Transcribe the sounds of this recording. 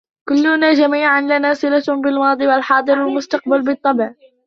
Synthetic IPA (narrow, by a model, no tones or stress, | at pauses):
kʊlːʊnaːd͡ʒamiːʕanlanaːsɪlabɪlmɑːd̪ˤiːwalħɑːd̪ˤɨɾalmʊst̪ɑq̚balbɪt̪ˤːɑbʕ